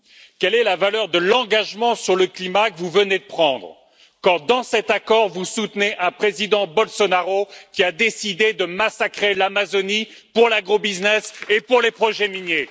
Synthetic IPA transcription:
kɛlɛlavalœʁd̪əlɑ̃ɡaʒmɑ̃syʁləklimakəvuvəned̪əpχɑ̃d̪ʁ | kɑ̃d̪ɑ̃sɛt̪akɔʁvusut̪neʔɛ̃pχezid̪ɑ̃bɔlsɔnaʁokʲiad̪esid̪ed̪əmasakχelamazoni | puʁlaɡʁobiznɛsepuʁlepχɔʒɛminje

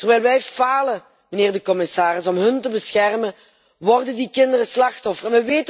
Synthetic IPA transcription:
tərʋɛjlˠʋɛjfaːlə | məneːrdəkɔmɪsaːɾɪsɔmɦɵntəbəsxɛrmə | ʋɔrdəndikɪndərəslɑxtɔfərɛnʋəʋeːt

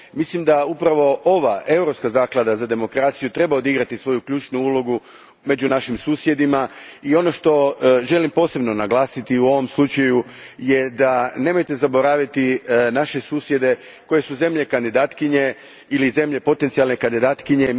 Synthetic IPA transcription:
mislimd̪aupɾaʋo̞ʔo̞ʋaʔe̞uɾo̞pskazaːklˠad̪azad̪e̞mo̞kɾaːt̪sijut̪ɾe̞baod̪iɡɾat̪isʋo̞jukʎuːt͡ʃnuulo̞ɡu | me̞d͡ʑunaʃimsuːsje̞d̪imaio̞no̞ʃt̪o̞ʒe̞limpo̞ːse̞bno̞naɡlˠaːsit̪iuo̞ʋo̞mslut͡ʃajuje̞d̪ane̞mo̞jt̪e̞zabo̞ɾaːʋit̪inaʃe̞suːsje̞d̪e̞ | ko̞je̞suze̞mʎe̞kand̪id̪aːt̪kiɲe̞ | ilize̞mʎe̞po̞t̪ent̪sialne̞kand̪id̪aːt̪kiɲe̞

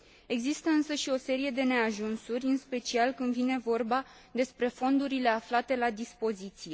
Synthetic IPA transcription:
e̞ɡzist̪əɨnsəʃio̞se̞ɾije̞d̪e̞ne̞aʒunsurʲɨnspe̞t͡ʃialkɨnd̪vine̞vo̞rba | d̪e̞spɾe̞fo̞nd̪uɾile̞aflat̪e̞lad̪ispo̞zit̪sije̞

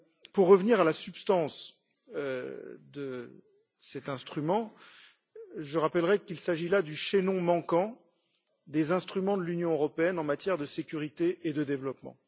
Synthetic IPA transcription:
puʁːəvniʁalasypst̪ɑ̃s | d̪ə | sɛt̪ɛ̃st̪χymɑ̃ | ʒəʁapɛlʁɛkilsaʒilad̪yʃenɔ̃mɑ̃kɑ̃ | d̪ezɛ̃st̪χymɑ̃d̪əlynjɔ̃øʁɔpeɛnɑ̃mat̪jɛʁd̪əsekʲyʁit̪eed̪əd̪evlɔpmɑ̰̃

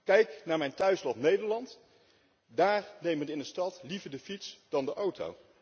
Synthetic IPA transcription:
kɛjknaːɹmɛjntœɥslɔnejdəɹlɑnt | daːɹnejmənɪndəstɑtlivəɹdəfitsd̥ɑndəʔowto̰w

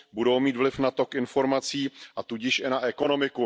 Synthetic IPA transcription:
budo̞wmiːt̪vlɪfnat̪o̞kʔɪnfo̞ɾmat͡siːʔat̪uɟɪʃʔɪnaʔɛko̞no̞mɪku

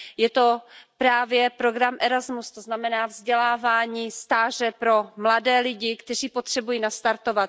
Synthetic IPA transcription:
jɛt̪o̞pɾaːvjɛpɾoɡɾamʔɛɾazmust̪oznamɛnaːvzɟɛlaːvaːɲiːst̪aːʒ̝ɛpɾo̞mladɛːlɪɟɪkt̪ɛr̝iːpot̪r̥ɛbujiːnast̪aɾt̪o̞vat̪

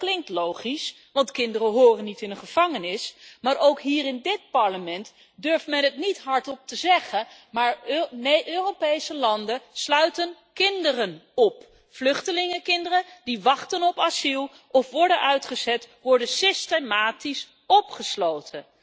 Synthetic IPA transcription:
klɪŋk̚tlowχis | ʋɑntkɪndərəɦʊːrənːitɪnəχəv̥ɑŋənɪsmaːɹʔowkɦiːɾɪndɪt̚pɑɹləmɛnt | døɹfmɛnətnitɦɑɹtɔp̚təzɛχən | maːɹneʔøːrowpejsəlɑndəslœɥtən | kɪndərənɔp | flɵχtəlɪŋəkɪndərədiʋɑχtənɔpasilˠ | ɔfʋɔɹdənœɥtχəzɛtʋɔɹdənsɪstemaːtis | ɔpχəslowtʰən

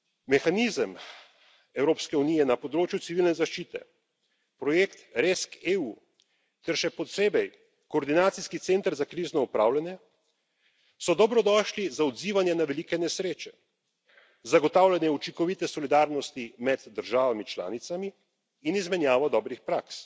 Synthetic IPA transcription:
mɛxanizəm | ɛwɾoːpskɛunijɛnapɔd̪ɾoːt͡ʃjusiʋiːlnɛzaʃt͡ʃiːt̪ɛ̰ | pɾɔjekt̪ɾeskeu | t̪ɛɾʃɛpɔt̪seːbɛj | kɔːɾd̪inaːt̪siskit̪seːnt̪əɾzakɾiːznɔupɾaːwlanjɛ | sɔd̪ɔbɾɔd̪ɔːʃlizaɔd̪ziːʋanjɛnaʋɛlikɛnɛsɾeːt͡ʃɛ̥ | zaɡɔt̪aːwlʲanjɛut͡ʃiŋkɔʋit̪ɛsɔlid̪aɾnɔst̪imɛd̪ːəɾʒaːʋamit͡ʃla̰ːnit̪samiː | nizmɛnjaːʋɔd̪ɔːbɾixpɾaks

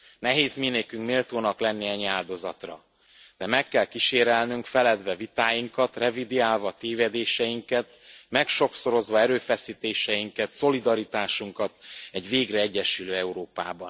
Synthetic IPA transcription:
nɛɦeːzmineːkyŋkmeːlt̪oːnɒklɛnːiɛɲːaːld̪o̞zɒt̪rɒ̰ | d̪̥ɛmɛkːɛlkiʃeːɾɛlnyŋkfɛlɛd̪vɛvit̪aːjiŋkɒt̪rɛvid̪iaːlvɒt̪eːvɛd̪eːʃɛjiŋkɛt̪mɛkʃo̞kso̞ɾo̞zʋɒɛɾøːfɛsiːt̪eːʃɛjiŋkɛt̪so̞lid̪ɒɾit̪aːʃuŋkɒt̪ɛɟveːɡrɛɛɟːɛʃyløːɛuɾoːpa̰ːbɒn

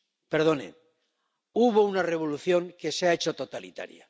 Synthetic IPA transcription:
peɾð̞o̞nḛ | uβo̞unare̞β̞oluθjo̞ŋke̞seaet͡ʃo̞t̪o̞t̪alḭt̪a̰ɾja̰

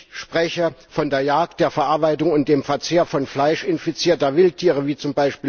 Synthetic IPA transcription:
ʃpʁ̥ɛçəfɔndeːɐjaːɐk̚t̚d̥eːɐfɛɐʔaɐbaɪtʊŋʊnt̚d̥eːmfɛɐt͡seːɐfɔnflaɪʃɪnfit͡siːɐtɐɐvɪltʰiːʁəviːt͡sʊmbaɪʃpiː

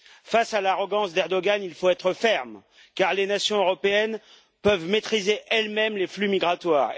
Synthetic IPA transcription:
fasalaʁɔɡɑ̃sd̪ɛʁd̪ɔɡanilfoɛt̪χəfɛʁm | kaʁlenasjɔ̃øʁɔpeɛn | pœvmet̪χizeʔɛlmɛmleflymiɡʁat̪waːʁ

